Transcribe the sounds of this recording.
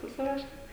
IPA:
sʊˈsʲɪruɔʃʲɛm

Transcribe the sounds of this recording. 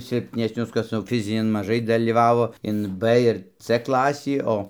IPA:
sʲɪlʲpʲnʲɛsʲˈnʲʊs ˈkɐs jɛʊ ˈfʲɪzʲɪnʲɪn mɐˈʒɐɪ dɐlʲiːˈʋɑːʋoː ɪn p ɪr t͡s ˈklˠɑːsʲiː ˈoː

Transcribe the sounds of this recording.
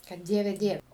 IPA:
kɐt ˈdʲiɛʋʲɛ ˈdʲiɛw

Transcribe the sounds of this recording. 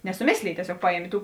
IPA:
nʲɛsʊˈmʲeːsʲlʲeːj tʲiɛˈsʲoːk ˈpɑːˌjiɛmʲeː ˈtuː

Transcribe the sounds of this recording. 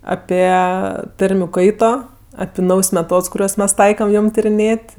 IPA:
ˈɑːpʲiɛ ˈtɐrʲmʲʊ ˈkɐɪtoː ɐpʲɪ ˈnɐʊjs mʲɛˈtoːts kʊˈrʲuɔs ˈmʲɛs ˈtɐɪkɐm ˈjoːm tʲɪrʲɪˈnʲeːtʲ

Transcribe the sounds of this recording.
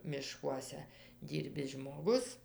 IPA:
mʲɪˈʃkuɔsʲɛ ˈdʲiːrʲbʲɪs ʒmoːˈɡʊs

